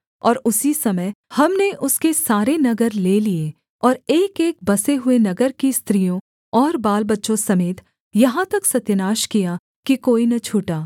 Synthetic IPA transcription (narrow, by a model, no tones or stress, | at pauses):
ɔːɾʊsisɐməjhɐmneʔʊskesaːɾenɐɡəɾleːlie | ɔːɾeːkeːk̚bɐseɦʊenɐɡəɾkist̪ɾijõ | ɔːɾbaːlbɐtːʃõsɐmeːt̪ | jɐɦãt̪ɐksɐt̪jənaːʃkija | kikoːinɐt͡ʃʰuːʈaː